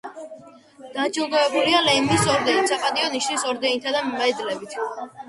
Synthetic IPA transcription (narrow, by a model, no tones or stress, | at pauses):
d̪̥at͡ʃilˠɡ̪ɔvɛbulialɛmisɔɾd̪ɛnit̪sapʼad̪iɔniʃnisɔɾd̪ɛnt̪ʰad̪ammɛd̪lɛbit̪ʰ